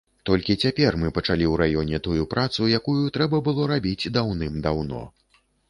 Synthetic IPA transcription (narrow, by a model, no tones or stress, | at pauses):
t̪ɔlʲkʲit͡sʲapʲɛrmɨpɐt͡ʂalʲiwɾajɔnʲɛt̪ujupɾat̪sujakujut̪ɾɛbɐbɨlˠɔɾabʲid͡zʲd̪awnɨmd̪awnɔ̰